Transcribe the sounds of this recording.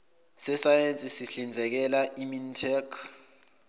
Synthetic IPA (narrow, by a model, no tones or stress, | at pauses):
sɛsajent͡sʼisiɬind͡zʱɛk̬ɛlaʔimintʰɛkʰ